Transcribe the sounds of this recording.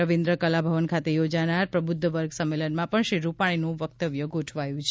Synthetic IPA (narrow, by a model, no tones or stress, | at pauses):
əʋĩnd̪ɾəkəlabʱəʋənkʰat̪ejod͡ʒanaɾpɾəbud̪ʱːəʋəɾɡsəmːelənmãpəɳʃiɾupaɽ̃inũʋək̚t̪əʋjəɡoʈʰʋajũt͡ʃʰ